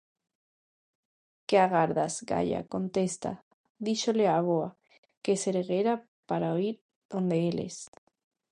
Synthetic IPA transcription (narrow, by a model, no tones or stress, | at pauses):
keaɣaɾðazɡa̰ʎa̰ko̞nt̪e̞st̪a̰ | ðiʃoleaβoa | keseɾeɣeɾa | paɾaoiɾ | ðo̞nd̪eelḛs